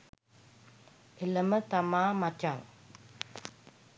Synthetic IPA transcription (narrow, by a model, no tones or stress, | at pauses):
eləmət̪amaːmat͡ʃaŋ